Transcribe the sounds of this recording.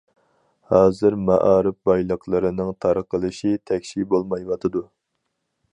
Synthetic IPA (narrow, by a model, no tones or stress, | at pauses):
hɑːzɨɾmɛ̰ʔɑːɾɨp̚bɑjlˠəqʰlˠɨɾɨnɨŋt̪ʰɑɾəqəlˠɨʃit̪ʰɛkʲʃibolˠmɑjwɑt̪ʰɨd̪u